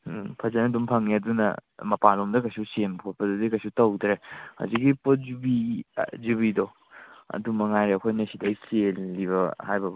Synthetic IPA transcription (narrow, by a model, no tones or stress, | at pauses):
pʰɐzɐnɐdumpʰaŋadunɐ̰mɐpalomdɐkɐjsusenkʰot̚pɐdudikɐjsutɐwdɾeha̰zikɡipozubizubido | ɐ̰dumɐŋajɾeɐkʰojnɐsidɐɐjselːiβɐhajbɐb